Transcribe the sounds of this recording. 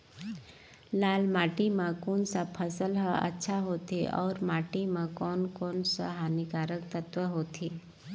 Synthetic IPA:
laːlmaːʈimãkuːnsapʰəsəlɦəɐ̰tːʃʰaɦoːt̪ʰiʔɔ̰ːɾmaːʈimãkɔːnkɔːnsa̰ɦaːnikaːɾək̚t̪ət̪ʋəɦoːt̪ʰiː

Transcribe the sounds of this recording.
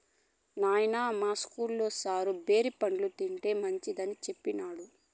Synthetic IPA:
naːjnaːmaːskuːlːo̞ːsaːɾube̞ːɾipɐɳlut̪iɳʈe̞ːmɐɲt͡ʃid̪ɐnit͡ʃe̞pːinaːɽu

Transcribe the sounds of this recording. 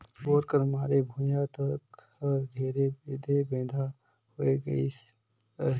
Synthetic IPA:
boːɾkəɾɦmaːɾebʱujat̪əkhɔɾd̪ʱeːɾebed̪ʱebẽːd̪ʱa | hoːeɡəi

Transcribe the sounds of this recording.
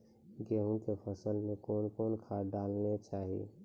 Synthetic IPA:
ɡeːɦũkepʰəsəlmẽkoːnkoːnkʰaɖaːlnet͡ʃaːɦḭ

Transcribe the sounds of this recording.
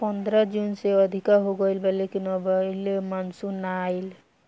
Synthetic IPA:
pənd̪ɾəd͡ʒunseəd̪ʱikaɦoɡəjlbelekinɔbəlemansunajl

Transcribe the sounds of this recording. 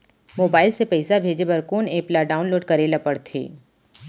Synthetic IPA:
moːbaːɪlsepɛːsabʱeːd͡ʒebɐɾkuːneːplaɖaːʊ̃nloːɖkɐɾelɐpəɽt̪ʰḛː

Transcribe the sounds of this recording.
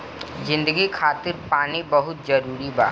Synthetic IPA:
zɪ̃nd̪əɡikʰaːt̪ɪɾpaːnibɐɦʊt̪̚zɐɾuːɾiba̰ː

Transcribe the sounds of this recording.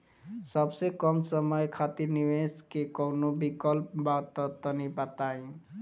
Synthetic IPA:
səbsekɔmsəməjkʰat̪iɾniweskekɔʊnobikəlp̚bat̪ət̪ənipat̪aĩ

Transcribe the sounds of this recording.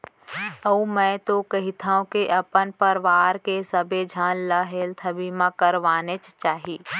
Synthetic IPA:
əũmɛ̃ːt̪okɐɦɪt̪ʰaːõkeʔɐpənpəɾʋaːɾkesəbed͡ʒʱənləɦeːlt̪ʰəbimãkəɾʋaːnet͡ʃt͡ʃaːɦiː

